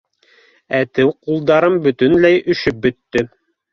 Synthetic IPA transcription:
æt̪ɘwqulˠd̪ɑɾɤmbɵ̆t̪ɵnlæjɵ̆ʃɵp̚bɵ̆t̪ːɵ

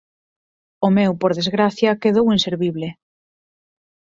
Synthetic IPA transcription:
ʊmɛwpoɾðezɣɾaθjɐkeðowinseɾβiβlɪ

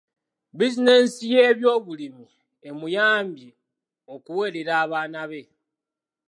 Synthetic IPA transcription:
bizine̞sije̞ːβjo̞ːβulimi | e̞mujaːmbji | o̞kuwe̞ːɾe̞ɾaːβaːnaβe̞

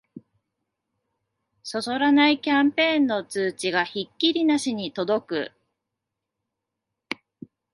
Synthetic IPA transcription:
so̞so̞ɾanaikʲãmpẽ̞ːnːo̞t͡sɨːt͡ɕiɡaçikʲːiɾʲinaɕiɲ̟it̪o̞d̪o̞kɯ̟̰

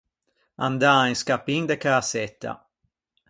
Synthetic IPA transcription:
and̪aːinskapːind̪ɛkaasɛt̪ʰːa̰

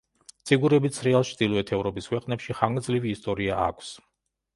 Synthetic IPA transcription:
t̪sʰʼiɡuɾɛbit̪sʰɾɛalˠt͡ʃʰd̪ilˠɔɛt̪ʰɛvɾɔpiskʰwɛqʼnɛpʃiχaŋɡd̪zliviːst̪ʼɔɾiaa̰kʷʰs

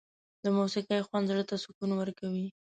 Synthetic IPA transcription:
d̪əmuwsiqajxwand̪zɽət̪asʊkunawəɾkawi

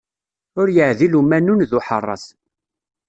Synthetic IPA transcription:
ʊɾjəʕðilumænunðuħə̰rˤːɑ̰s

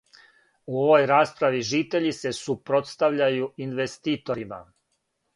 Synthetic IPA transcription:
uoʋo̞jɾaːspɾaʋiʒiːt̪e̞ʎise̞supɾo̞t̪st̪aʋʎajuinʋest̪iːt̪o̞ɾima̰

